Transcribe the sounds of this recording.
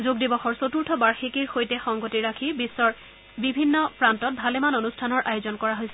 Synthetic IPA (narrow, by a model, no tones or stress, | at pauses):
zuɡ̚dibɔxɔɹsotuɹtʰɔbaɹxikiɹxojtɛxɔŋɡotiɹakʰibisːɔɹ | bibʱinːɔpɹantɔt̚bʱalɛmanonustʰanɔɹʔajozɔnkɔɹaɦojsɛ